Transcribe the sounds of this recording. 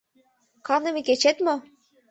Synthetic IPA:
kɑnɤ̆meket͡ɕet̪mo

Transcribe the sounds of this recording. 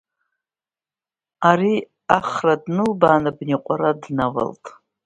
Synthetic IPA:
aɾi | aχradnɨlbaːnɨbniqʷʼaɾadnawa̰ltʼ

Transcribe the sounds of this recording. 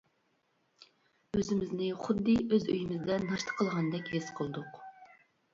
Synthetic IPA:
øzɪmɪznɪχʊd̪ːɨʔøzø̰jimɪzd̪ɛnɑʃt̪ʰə̥qʰːəlˠʁɑnd̪ɛkʲhesqʰəlˠd̪ʊq

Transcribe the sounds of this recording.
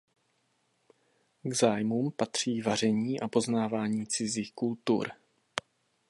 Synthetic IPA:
ɡzaːjmuːmpat̪r̝̥iːvar̝ɛɲiːʔapo̞znaːvaːɲiːt͡sɪziːxkult̪ṵɾ

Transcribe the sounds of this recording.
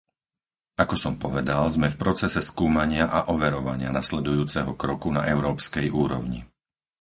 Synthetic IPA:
akɔsɔmpɔʋɛd̪alzmɛfpɾɔt͡sɛsɛskuːmaɲɪaʔaʔɔʋɛɾɔʋaɲɪanaslɛd̪ujuːt͡sɛɦɔkɾɔkuna̰ʔɛʊɾɔːpskɛjuːɾɔʊɲḭ

